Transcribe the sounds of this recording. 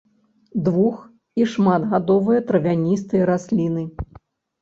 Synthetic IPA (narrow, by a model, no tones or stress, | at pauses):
d̪vux | iʂmad̪ɣad̪ɔvɨjɐt̪ɾɐvʲanʲist̪ɨjɐɾasʲlʲinɨ